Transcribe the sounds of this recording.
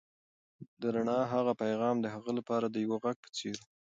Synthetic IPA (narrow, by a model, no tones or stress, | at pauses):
d̪əɾaɳɑɦaɣapajɣɑmd̪əɦaɣəlapɑɾad̪əjawəɣaɡ̚pə̥t͡seɾ